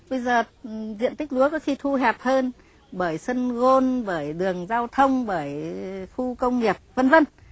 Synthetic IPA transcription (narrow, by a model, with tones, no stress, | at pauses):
ɓə˧jzəː˨˩zḭ˧˨ənt̪ï˦˥k̟̚lu˨˦əkɔ˨˦xi˧t̪ʰu˧ɦɛ˨˩p̚həː˧n | ɓəː˧˩jsə˧nɣo˧nɓəː˧˩jɗɨ˨˩əŋzaː˧wt̪ʰə˧wŋ͡mɓəː˧˩jxu˧kə˧wŋ͡mŋi˨˩əp̚və˧nvə˧n